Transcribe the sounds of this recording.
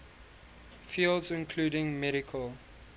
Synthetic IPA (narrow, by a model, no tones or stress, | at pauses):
fiːldzɪ̃nkʰluːdɪ̃ŋmɛɾɪkʰəl